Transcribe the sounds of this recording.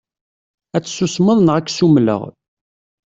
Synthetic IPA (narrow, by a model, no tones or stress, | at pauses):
æt͡sːsːusməðˤnʁækːsumlə̰ʁ